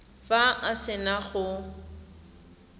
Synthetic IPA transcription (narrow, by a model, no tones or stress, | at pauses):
faʔasɪnaχʊ